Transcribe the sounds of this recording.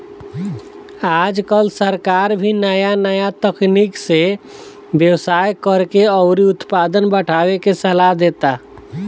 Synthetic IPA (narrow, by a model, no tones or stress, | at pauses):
aːd͡ʒkəlsəɾkaːɾbʱinəjanəjat̪əknikse | bjəwsaːjkəɾkeɔʊɾiʊt̪paːd̪ənbəʈʰaːwekesəlaɦd̪eːt̪a